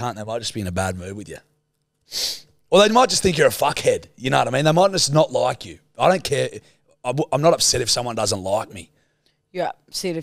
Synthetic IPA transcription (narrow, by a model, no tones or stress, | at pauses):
kʰæ̃nðeɪmaɪt̚d͡ʒ̥ʌsb̥iɨ̃nɨbæd̚mʉvwɨðjʉ̰ | wɛlˠðeɪmaɪt̚d̥d͡ʒ̥ʌst̪θɪ̃ŋk̬jə˞ɨfʌkhɛd̥jɨnoʊwʌɾaɪĩnðeɪmaɪt̚ʌsnəʔˡlaɪkʰjʉ | aɪɾõʊ̃nkʰɛɹ | aɪãɪ̃mnəɾʌpsɛɾɨfsʌ̃mwʌ̃ndʌzə̃ntˡlaɪk̚mḭ | jə˞ʌpsɛɾɨ